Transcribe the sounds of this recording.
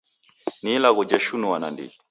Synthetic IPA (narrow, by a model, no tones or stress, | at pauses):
nilaɣɔd͡ʒɛʃunuwana̰ndḭi